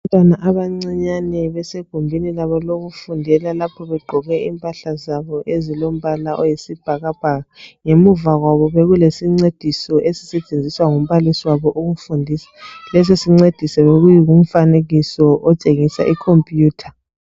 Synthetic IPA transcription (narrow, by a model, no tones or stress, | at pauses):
antʼwanaʔaβaŋ͡ǀɛɲanɛβɛseɡ̥ʱumbʱinilaβɔloɣufundʱɛlalapʰɔβɛɡ͡ǃʱɔɣɛimpʼaɬazaβɔʔezilom̩βalaʔɔjisib̥ʱaɣab̥ʱaɣaŋemuvaɣwaβɔβeɣulesiŋ͡ǀed̥ʱisɔʔesi̥sɛt͡ʃʼend͡zʱiswaŋum̩βalisiwaβɔʔuɣufundʱisḁlɛsesiŋ͡ǀed̥ʱisɛβeɣujiɣum̩faneɣisɔʔɔt͡ʃʼeŋisa̰ʔikʰompʼjuːtʰḁ